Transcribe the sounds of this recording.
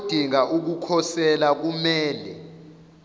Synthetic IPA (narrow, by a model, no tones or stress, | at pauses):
d̥ʱiŋauk̬ukʰɔsɛlak̬umɛːlɛ